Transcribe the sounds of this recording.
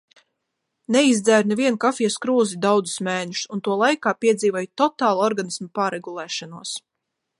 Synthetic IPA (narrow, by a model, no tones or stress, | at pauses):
nɛizd̪zæːɾnɛviɛnkafiɛskɾuːzid̪awd̪zu̥smɛːɲusunt̪uɔlˠajkaːpiɛd̪ziːvoɔjt̪ɔt̪aːlˠɔɾɡanismapaːɾeɡulˠɛːʃanuɔs